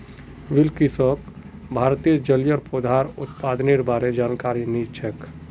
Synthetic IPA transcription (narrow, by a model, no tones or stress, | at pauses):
ʋɪlkisɔkbʱaːɾt̪ijəd͡ʒəljəɾpod̪ʱaːɾʊ̰t̪paːd̪niɾbaːɾed͡ʒaːnkaːɾiniːt͡ʃʰək